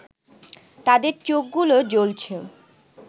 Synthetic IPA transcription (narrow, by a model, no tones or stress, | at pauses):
t̪ad̪eɾt͡ɕok̚ɡulod͡ʑolt͡ɕʰo